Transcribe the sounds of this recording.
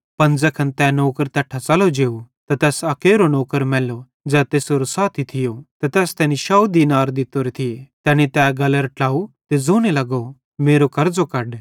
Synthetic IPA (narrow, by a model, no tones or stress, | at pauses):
pɐ̃nd͡zɛkʰɐnt̪ɛːnoːkəɾt̪ɛːʈʰːat͡sɐlod͡ʒeːut̪ɐt̪ɛːsɐkeːɾonɔːkəɾmɛːlo | d͡zɛːt̪eːsoːɾosaːt̪ʰit̪ʰɪjot̪ɐt̪ɛːst̪ɛːniʃaːud̪inaːɾd̪ɪt̪oːɾet̪ʰɪjet̪ɛːñit̪ɛːɡɐləɾʈaːut̪ezoːñelɐɡo | meːɾokɐɾd͡zokɐɖ